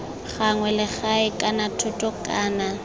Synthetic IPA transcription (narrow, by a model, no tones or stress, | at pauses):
χaŋwɛlɪk͡xaɪkʼanatʰʊtʼɔkʼaːna